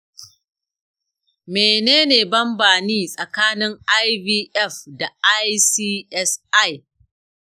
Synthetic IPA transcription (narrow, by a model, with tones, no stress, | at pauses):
meː˨neː˦neː˨bɐ˦mbaː˨niː˦sʼɐ˨kaː˦nɪ˦ŋʔa˦jbiː˦ʔɛ˦˨fda˨ʔa˦jsiː˦ɛ˦sʔa˦˨j